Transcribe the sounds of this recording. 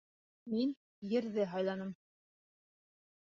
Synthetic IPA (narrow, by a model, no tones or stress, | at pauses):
min | jɘ̆ɾðɘɦɑjlˠɑnɤm